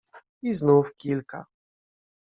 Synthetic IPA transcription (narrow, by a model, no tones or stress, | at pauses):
iznufkʲilka̰